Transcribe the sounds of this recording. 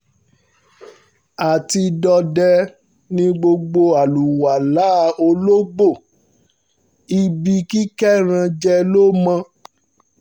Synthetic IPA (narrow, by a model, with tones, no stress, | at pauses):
a˨ti˧dɔ˧dɛ˧ | nĩ˧ɡ͡bo˧ɡ͡bo˧a˨lu˨wa˨la˨˦o˧lo˦ɡ͡bo˦˨ | i˧bi˧ki˦kɛ˦ɾ̃ã˧d͡ʒɛ˧lo˦mã˧